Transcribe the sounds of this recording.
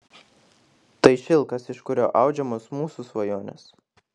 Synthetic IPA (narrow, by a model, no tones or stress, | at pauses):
t̪ɐɪʃʲɪlˠˑkɐsɪʃkʊɾʲo̰ːʔɑˑʊd͡ʒʲɛmoːsmuːsusʋɐjoːnʲɛ̰s